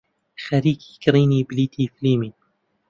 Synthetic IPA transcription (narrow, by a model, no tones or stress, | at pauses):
xaɾiːki̥kɾiːnibliːt̪ʰifliːmi